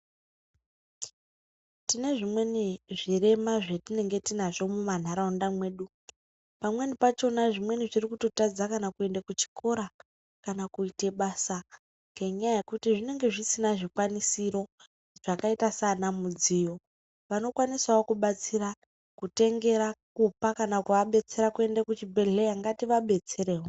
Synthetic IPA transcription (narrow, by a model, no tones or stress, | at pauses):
tine̞ʐimwe̞niʐire̞maʐetine̞ŋɡe̞tinaʐo̞muman̤aɾaundamwe̞ːɗu | pamwe̞nipat͡ʃo̞naʐimwe̞niʐirikuto̞tad͡zakanakue̞ndakut͡ʃi̥kʰo̞ɾa | kanakuite̞ɓasa | ŋɡeɲajaje̞kutiʐine̞ŋɡe̞ʐisinaʐikwanisiɾo̞ | ʐ̥akaitasanamud͡zijo̞ | ʋano̞kwanisaokuɓat͡sira | kute̞ŋɡe̞ɾakupakanakuʋaɓe̞t͡se̞ɾakue̞ndakut͡ʃibʱe̞ɮejaŋɡatiʋaɓe̞t͡se̞ɾeːɦo